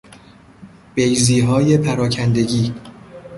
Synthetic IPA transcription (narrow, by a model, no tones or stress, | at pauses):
b̥ejziːɦɒːje̞pʰæɾɒːcʰænd̪e̞ɡiː